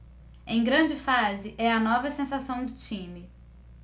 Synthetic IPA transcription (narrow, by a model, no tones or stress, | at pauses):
ẽj̃ɡɾɐ̃d͡ʒɪfazɪʔɛɐnɔvɐsẽsasɐ̃w̃d̪ʊt͡ʃĩmɪ